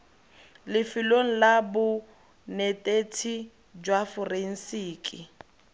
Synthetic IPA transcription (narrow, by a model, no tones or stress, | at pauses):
lɪfɪloŋ̩labʊ | nɛtʼetʰi | d͡ʒwafɔren̩siːkʼi